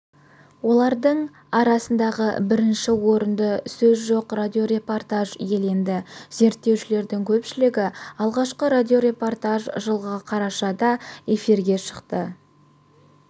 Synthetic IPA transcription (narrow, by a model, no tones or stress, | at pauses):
wo̞lˠɑɾd̪əɴ | ɑɾɑsənd̪ɑʁə̰bɪɾɪnʃɪwo̞ɾənd̪əsɵzʒo̞qrad̪ʲio̞ɾe̞po̞rt̪aʒje̞lend̪ɪz̥e̞ɾt̪ːe̞wʃɪle̞ɾd̪ɪŋkʲʰɵpʃɪlɪɡʲɪɑlˠʁɑʃqəɾad̪ʲio̞ɾe̞po̞rt̪aʒʒəlˠʁəqʰɑɾɑʃɑd̪ɑe̞fiɾɡʲe̞ʃə̥qt̪ə